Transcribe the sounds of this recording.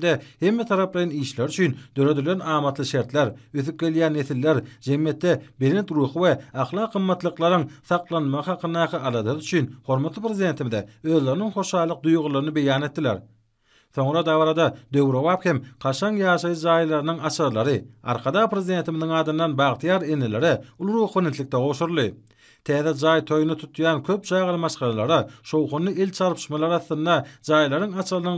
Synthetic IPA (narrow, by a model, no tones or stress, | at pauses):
d̪ehe̞mːet̪ʰɑɾɑplˠɑjɑniːʃleɾyt͡ʃʰynd̪ø̞ɾø̞d̪ylenɑːmɑt̪lˠɯʃe̞ɾt̪leɾøθyp̚ɡe̞ljæːnːe̞θilːeɾd͡ʒe̞mje̞t̪ːebe̞ɾent̪ɾuːxɯweɑχlˠɑːqɯmːɑt̪lˠɯqlˠɑɾɯŋθɑqlˠɑnmɑʁɯhɑqʰɯnd̪ɑːqʰɯʔɑlˠɑd̪ðyt͡ʃʰynho̞ɾmɑt̪lˠɯpʰɾezid̪e̞ːnt̪ʰimiðeø̞ːðle̞ɾiniŋχo̞ʃɑːlˠɯq̚d̪ujʁulˠɑɾnɯbe̞jɑːne̞t̪ːilḛɾ | θo̞ɴɾɑd̪ɑβɑɾɑd̪ɑd̪ø̞wɾoβɑːphemqʰɑʃɑŋjɑːʃɑjɯd͡ʒɑːjlˠɑɾɯnɯŋɑt͡ʃʰɑllˠɑɾɯɑ̰ɾqʰɑd̪ɑːpʰɾezid̪e̞ːnt̪imiðiŋɑːd̪ɯnd̪ɑnbɑːʁt̪ʰjɑːɾenːele̞ɾeulˠɾuxwenet̪lʲik̚t̪eʁowʃuɾlˠɯ | t̪ʰæːðɛd͡ʒɑːjt̪ʰo̞junɑt̪ʰut̪jɑːnkʰø̞p̚t͡ʃʰɑːʁɑlˠɯmɑʃqɑlˠɑlˠɑɾɑʃo̞wχonːɯilt͡ʃʰɑɾpʰɯ̥ʃmɑlˠɑɾɑθːɯnd̪ɑd͡ʒɑːjlˠɑɾɯŋɑt͡ʃʰɯlˠɯnɯŋ